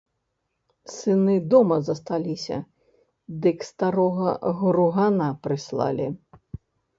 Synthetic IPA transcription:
sɨnɨd̪ɔmɐzɐst̪alʲisʲɐ̰ | d̪ɨkst̪aɾɔɣɐɣɾuɣanapɾɨslˠa̰lʲi

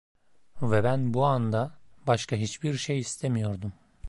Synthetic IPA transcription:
vɛbænbuand̪abaʃkʰaɦit͡ʃbiɾʃejist̪ʰemijo̞ɾd̪um

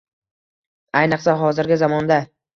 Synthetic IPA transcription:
ajnɨqsaɦɒzɪɾɡʲɪzamɒnd̪a

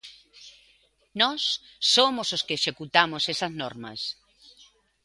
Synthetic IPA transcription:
nɔsːomososkeːʃekut̪amosesɐznɔɾmɐ̰s

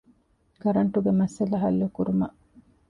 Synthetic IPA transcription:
kɐɾɐɳʈuɡemɐsɐlɐɦɐlːukuɾumɐʔ

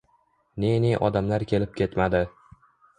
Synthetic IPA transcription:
neneʔɒd̪amlaɾkʲʰe̞lɪp̚kʲʰe̞t̪mad̪ɪ

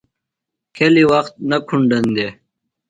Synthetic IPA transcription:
kʰeliwɐxt̪̚nɐkʰuɳɖɐnd̪e

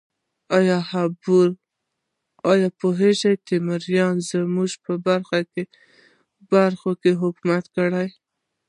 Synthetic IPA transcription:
ɑjɑhabuɾ | ɑjɑpoɦeʒajt̪emaɾjɑnzəmuʒpəbaɾxake | baɾxokeɦʊkmat̪kəɽaj

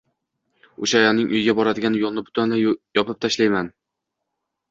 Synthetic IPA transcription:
oʃajɒnɪŋʔʊ̰jɪɡʲabɒɾad̪ɪɡʲanjolˠnɪbʊ̥t̪ʰanlajɒpɪp̚t̪ʰaʃlajman

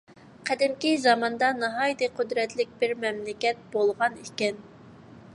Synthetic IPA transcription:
qʰæd̪ɪmkʲizɑmɑnd̪ɑnɑɦɑjt̪ɨqʰød̪ɾɛt̪lɪk̚ʲbɪɾmɛmlɪkʲɛt̪̚b̥olˠʁɑnikʲɛn

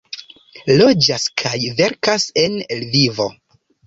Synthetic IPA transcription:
lo̞d͡ʒaskʰajve̞ɾkase̞nelvivo̞

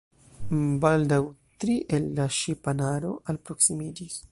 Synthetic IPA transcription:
baldawtɾiʔe̞lːaʃipanaɾo̞̰ʔalpɾo̞ksimid͡ʒis

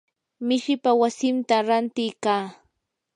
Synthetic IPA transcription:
mɪʃɪpawasɪnt̪aɾant̪ɪjkaː

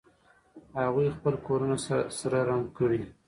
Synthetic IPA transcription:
haɣujxpəlkoɾunassaɾaɾaŋkəɽi

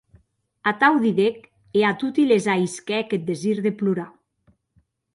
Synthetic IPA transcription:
at̪awðiðek | eat̪ut̪ilezajskɛket̪̚d̪eziɾðepluɾa

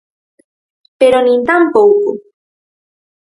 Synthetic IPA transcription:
peɾonĩnt̪ampowko

